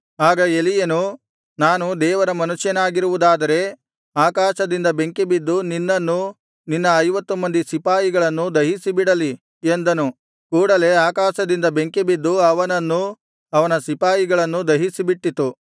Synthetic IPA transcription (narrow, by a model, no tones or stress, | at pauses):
aːɡɐe̞lijɐnu | naːnud̪ɛːʋɐɾɐmɐnuʂjɐnaːɡiɾuʋud̪aːd̪ɐɾe̞ | aːkaːʃɐd̪ind̪ɐbe̞ŋkebid̪ːuninːɐnːu | ninːɐːjʋɐt̪ːumɐnd̪isipaːjiɡɐɭɐnːud̪ɐɦisibiɽɐli | end̪ɐnu | kuːɽɐle̞aːkaːʃɐd̪ind̪ɐbe̞ŋkebid̪ːuɐʋɐnɐnːu | ɐʋɐnɐsipaːjiɡɐɭɐnːud̪ɐɦisibiʈːit̪ːu